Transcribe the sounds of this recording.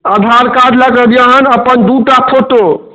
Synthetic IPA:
əd̪ʱaɾkad͡ʒ̪ləɡəd̪jaɦənəpənd̪uʈapʰoʈ̪o

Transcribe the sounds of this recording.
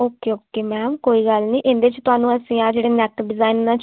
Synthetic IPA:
oːkːeːoːkeːmɛ̃ːmkoːiːɡəlnĩːʔɪ̃nd̪eːt͡ʃt̪ʊɦaːnũːəsĩːaːd͡ʒeːɽeːnɛkɖɪzaːinːãːt͡ʃ

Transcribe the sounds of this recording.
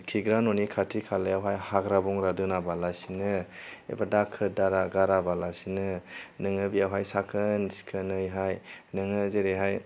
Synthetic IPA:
kʰiɡɾanɔnikʰatʰikʰalɯjawɦajhaɡɾabɔŋɾadɯnabalasinɯḛbadakʰːɯdaɾaɡaɾabalasinɯnɯŋɯbiawɦajsakʰɯnsi̥kʰɯnɯjɦajnɯŋɯzeɾeɦaj

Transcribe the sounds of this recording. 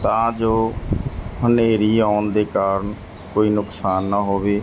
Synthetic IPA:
t̪ãːd͡ʒoː | ɦəneːɾiːaːnd̪eːkaːɾən | koːiːnʊksaːnːəɦoːʋeː

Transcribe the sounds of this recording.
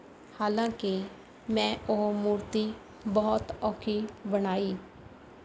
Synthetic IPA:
haːlãːke | mɛ̃ːʔoːmuːɾt̪iː | bɔʊt̪ɔːkʰiːbənaːiː

